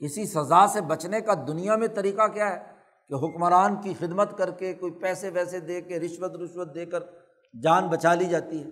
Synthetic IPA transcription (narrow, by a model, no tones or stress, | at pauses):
ɪsisɐzaːsebɐt͡ʃnekad̪ʊnijamẽt̪ɐɾiːqakjaɦɛ | keɦʊkmɾaːnkixɪd̪mət̪kɐɾkekoːipɛːseʋɛːsed̪eːkeɾɪʃwət̪ɾɪʃʋət̪̚d̪eːkəɾ | d͡ʒaːnbɐt͡ʃaːlid͡ʒaːt̪iɦɛː